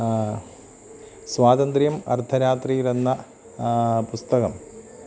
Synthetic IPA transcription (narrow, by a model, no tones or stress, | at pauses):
swaːðɐnd̪rijɐmɐ̰rt̪ʰɐɾaːt̪rijilenːɐ | pust̪ɐɣɐm